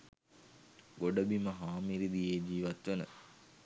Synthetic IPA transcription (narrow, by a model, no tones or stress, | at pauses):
ɡoɖəbiməɦaːmiɾid̪ijeːd͡ʒiːʋɐt̪ʋenə̰